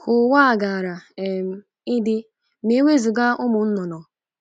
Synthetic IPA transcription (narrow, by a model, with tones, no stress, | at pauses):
hʊ˨wa˦a˨ɡa˨a˨ɾa˨e˨m̩˨ | ɪ˦dɪ˦ | me˦wʷe˦zu˨ɡa˦ʔʊ˦mʊ˨n̩˦nɔ˨nɔ˨